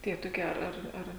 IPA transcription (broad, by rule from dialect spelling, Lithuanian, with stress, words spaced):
ˈtʲiɛ toːˈkʲiɛ ˈɐr ˈɐr